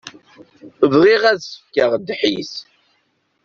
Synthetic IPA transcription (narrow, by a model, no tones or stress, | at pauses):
əvʁiʁæðsə̥fkəʁd̪ːħḭs